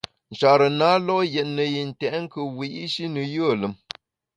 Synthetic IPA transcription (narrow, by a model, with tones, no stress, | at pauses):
n̩˨t͡ʃa˨ɾə˨naː˨˦lɔ˦jɛ˨t̚nə˨ji˨n̩˨tɛ˨ʔŋ̩˦kə˨wi˨ʔi˦ʃi˦nə˨jə˦ə˨lə˨˦m